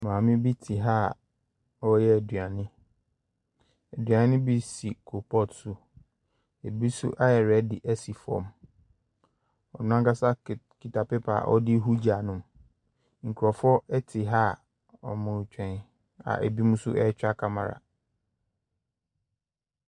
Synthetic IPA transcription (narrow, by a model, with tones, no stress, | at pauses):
mãː˨mɪ̃˦bi˦tʰi˨ɦa˦˨ | ɔ˦jɛ˦æ˨dɥa˨nɪ̃˦ | æ˨dɥa˨˦nɪ̃˦bi˦si˨kʰo˨pʰɔ˦˨tsʊ˦ | e˨bi˦sʊ̰˦ʔa˦jɛ˨ɾɛ˦dɪ˨ʔɛ˦si˨fɔ̰̃˨m | ɔ˨nʊ̃˦ã˦ka˦sa˦kʰi˨tʰa˨pɪ˦pʰa̰˨ʔɔ̰˦dɪ˦ɦu˦d͡ʑa˨nʊ̃˦m | ŋ̩˨kʰu˨ɾɔ˨fɔ˦ɛ˦tʰɪ˨ɦa˦ | ɔ̰˨mʊ̃˨t͡ɕᶣɛ̃˨n | a̰˨ʔæ̰˨bi˦mũ˦sʊ̰˦ʔɛ˦t͡ɕᶣa˦kʰa˦ma̰˨ɾa̰˨